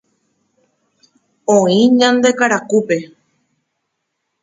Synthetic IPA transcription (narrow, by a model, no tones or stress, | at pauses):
õĩɲãnd̪e̞kaɾakupe̞